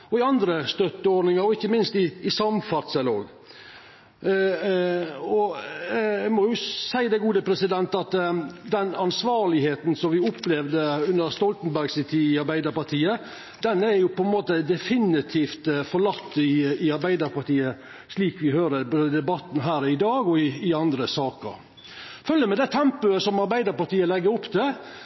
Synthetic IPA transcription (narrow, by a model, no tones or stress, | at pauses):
ɔɪɑnd̪ɾəst̪œt̪ːəɔɖnɪŋəɾɔɪkːəmɪnst̪ɪɪsɑmfɑt̪səloːɡ | ɔ | mɔjʊsæɪd̪ɛɪɡuːd̪əpʰɾɛsɪd̪ɛnt̪ɑt̪d̪ɛnɑnsʋɑːɾlɪheːt̪n̩sɔmʋɪʊplɛʋd̪əʉnd̪əɾst̪ɔlt̪n̩bæɾɡsɪt̪ʰiːɪɑɾbæɪd̪əɾpɑɾt̪ʰiːə | d̪ɛnæɾjʊpʰɔɛnmoːt̪əd̪ɛfɪnɪt̪ʰiːft̪fɔɾɭɑt̪ːɪɑɾbæɪd̪əɾpɑɾt̪iːə | ʂliːkʋɪɦøːɾəboːd̪əd̪ɛbɑt̪n̩ɦæːɾɪd̪ɑːɡɔɪɪɑnd̪ɾəsɑːkə̰ɾ | fœljəmɛd̪ɛt̪ʰɛmpʉəsɔmɑɾbæɪd̪əɾpɑɾt̪iːəlɛɡːəɾʊpːd̪ɛ